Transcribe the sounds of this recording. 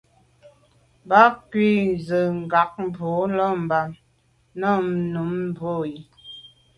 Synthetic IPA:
ba˦kwi˦˨zə˨ŋ̩˨ɡa˨k̚m˦bo˨˦lɔ˦˨m̩˨ba˨m | nə˦˨m˦nu˨˦m˦bo˦˨i˨

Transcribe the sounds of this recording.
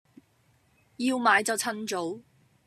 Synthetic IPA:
jiː˧wmaː˨˧˥jt͡sɐ˨wt͡sʰɐ˥nt͡so˨˥w

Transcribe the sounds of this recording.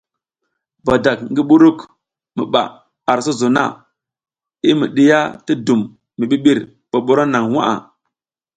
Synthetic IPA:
ba˨da˨k̚ŋɡi˦ɓu˦ɾu˦k | mḭ˨ɓa̰˨ | a˨ɾsu˦zo˨na̰˦˨ | i˦mḭ˨ɗi˦ja˦ti˦du˨mː | i˨ɓi˦ɓi˦ɾ | ɓ̥o˨ɓu˦ɾa˦na˨ŋwa̰˦ʔa̰˨

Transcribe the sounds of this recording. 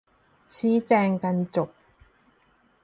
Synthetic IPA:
sʰiː˨˥t͡sɛː˧ŋkɐ˧nt͡sʊ˨k̚

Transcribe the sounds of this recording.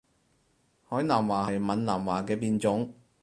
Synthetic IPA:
hɔː˨˥jnaː˨˩mwaː˨˩hɐ˨jmɐ˨nlaː˨˩mwaː˨kɛː˧piː˧nt͡sʊ˨˥ŋ

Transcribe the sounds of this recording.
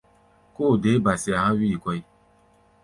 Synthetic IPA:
koː˦˨de˨˦ba˨si˨˧a˨hã˦wi˦i˨kɔ˧i˦

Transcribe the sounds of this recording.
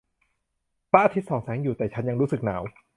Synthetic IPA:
pa˦˥ʔa˧t̪ʰi˦˥t̪̚sɔː˩˦ŋsɛː˩˦ŋjuː˨˩t̪ɛː˨˩t͡ɕʰa˦˥nja˧ŋɾuː˦˥sɯ˨˩k̚naː˩˦w

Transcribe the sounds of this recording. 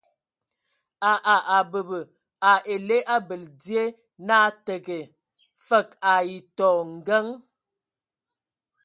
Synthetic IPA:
a˨ʔa˨ʔa˨bə˨bə˨ | a˨e˨le˦ʔa˦bə˨ldi˦e˦ | na˦tə˨ɡe˨ | fə˦˨k̚a˨i˨tɔ˨ŋ̩˨ɡə˦ŋ

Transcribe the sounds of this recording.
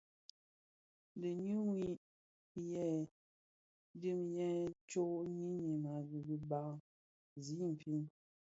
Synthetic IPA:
də˨ɲu˦ŋwi˦˨ | jɛ˦ | di˦mjɛ˦t͡ʃo˦ʔɲi˦ni˨ma˨ɣi˨ɡi˨ba˨ | zi˨˦m̩˨pʰi˦n

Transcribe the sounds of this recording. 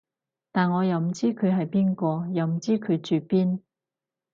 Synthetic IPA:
t̪aː˨nŋɔː˨˧jɐ˨˩wm̩˨˩t͡siː˥kʰɵ˨˧ɥɦɐ˨jpiː˥nkɔː˧jɐ˨wm̩˨˩t͡siː˥kʰɵ˨˧ɥt͡ʃyː˨piː˥n

